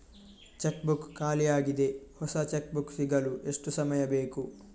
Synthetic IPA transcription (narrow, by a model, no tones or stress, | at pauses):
t͡ʃekbukːaːlijaːɡid̪e̞hɔsɐt͡ʃek̚buksiɡɐluʔeʂʈusɐmɐjɐbeːku